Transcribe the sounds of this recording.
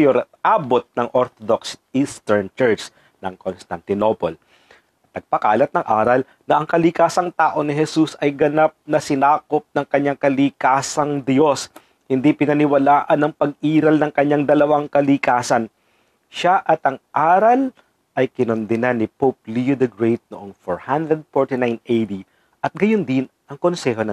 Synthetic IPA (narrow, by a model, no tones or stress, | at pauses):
oɾʔaːbot̪̚nɐŋʔoɾt̪od̪oksʔist̪ɛɹnt͡ʃɛɹt͡ʃ | nɐŋkonst̪ant̪ɪnopol | ɐt̪̚ːɐɡ̚pɐkaːlɐt̪̚nɐŋʔaːɾɐl | nɐʔɐŋkɐlɪkaːsɐŋt̪aːʔo̞nɪɦɛsusɐjɡɐnap̚nɐsɪnaːkop̚nɐŋkɐɲːaŋkɐlikaːsɐŋd̪jo̞s | hɪnd̪ipɪnɐnɪwɐlaːʔɐnːɐŋpɐɡ̚ʔiːɾɐlnɐŋkɐɲːaŋd̪ɐlɐwaŋkɐlɪkaːsɐn | ʃaʔɐt̪ʔɐŋʔaːɾɐl | ʔɐjkɪnond̪ɪnanːɪpop̚lijod̪ɐɡɹejt̪̚noʔoŋfoɹhand̪ɾɛd̪̚foɹt̪ɪnajnʔejd̪i | ʔɐt̪̚ɡɐjond̪ɪnʔɐŋko̞nsɛɦo̞nɐ